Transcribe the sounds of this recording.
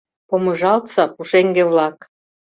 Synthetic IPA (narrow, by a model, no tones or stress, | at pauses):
pomɤ̆ʒɑlt̪sɑpuʃeŋɡĕβlɑk